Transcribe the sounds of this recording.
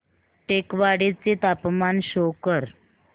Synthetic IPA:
ʈekʋaɽet͡set̪apmanɕokəɾ

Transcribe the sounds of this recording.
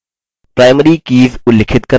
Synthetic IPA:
pɾaːɪməɾiːkiːzʊlɪkʰɪt̪̚kɐ

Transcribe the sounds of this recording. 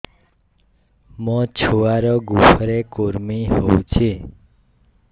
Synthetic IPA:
mɔ̃t͡ʃʰoʋaɾɔɡupʰɾekoɾmiɦoũt͡ʃʰe

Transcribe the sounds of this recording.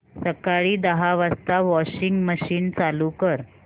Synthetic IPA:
səkaɭiːd̪əɦaʋast̪aʋɔɕiŋɡməɕiːnt͡salukəɾ

